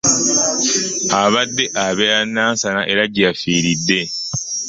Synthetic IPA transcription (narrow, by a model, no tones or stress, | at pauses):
aβadːe̞ʔaβejanːaːnsanaʔe̞ɾaɟijafiːɾidːe̞